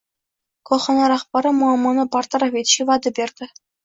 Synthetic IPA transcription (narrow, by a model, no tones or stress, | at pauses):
kŏχɤ̆nɑɾɑχpɑɾɤ̆muɑmɑnɤ̆pɑrt̪̆rɑvʲet̪ʲɕiʋɑd̪ʲɤ̆bʲerʲd̪ʲɘ̆